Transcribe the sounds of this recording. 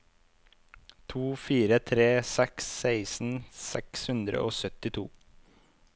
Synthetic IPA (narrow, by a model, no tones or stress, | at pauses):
t̪ʰuːfiːɾət̪ʰɾeːsɛksæɪsn̩sɛ̰kshʉnd̪ɾə̰ʔoːsœt̪ɪt̪ʰuː